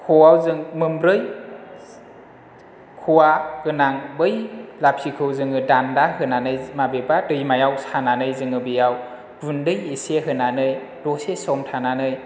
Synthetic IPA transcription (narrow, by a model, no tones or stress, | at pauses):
kʰɔawzɯŋmɯmbɾɯj | kʰuwaɡɯnaŋbɯjlap̚sikʰɯwzɯŋɯdandahɯnanɯjmabebadɯjmajawsananɯjzɯŋɯbijaw | vundɯjeseɦɯnanɯj | dɔsesɔmtʰananɯj